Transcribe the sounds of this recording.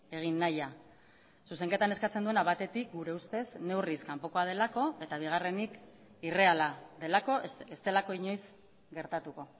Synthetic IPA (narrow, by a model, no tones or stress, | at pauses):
e̞ɣ̞inːaja | suse̞ŋke̞t̪ane̞skat͡send̪ue̞naβat̪e̞t̪ik̚ɡuɾe̞ust̪e̞sne̞wriskampoko̞að̞e̞lako̞e̞t̪aβ̞iɣ̞are̞nik | ire̞alaðe̞lako̞est̪e̞lako̞iɲo̞js | ɡe̞ɾt̪at̪uko̞